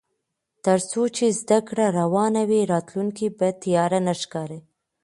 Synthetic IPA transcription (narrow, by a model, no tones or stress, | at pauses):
t̪əɾt͡sot͡ʃezd̪akɽaɾawɑnawiɾɑt̪luŋkibat̪ijɑɾanaʃkɑɾe